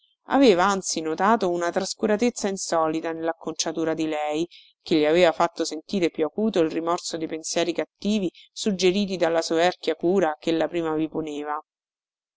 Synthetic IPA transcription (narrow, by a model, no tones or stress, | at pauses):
a̰veːvaant̪sinot̪aːt̪ounat̪ɾaskuɾat̪et̪sːainsɔːlit̪anelːakːont͡ʃat̪uːɾad̪ilɛj | k̟eʎːiaveːvafat̪ːosent̪iːɾepjuakuːt̪oilrimɔrsod̪epensjɛːɾikat̪ːiːvisud͡ʒeɾiːt̪̬id̪alːasovɛrkjakuːɾakelːapɾiːmaviponeːva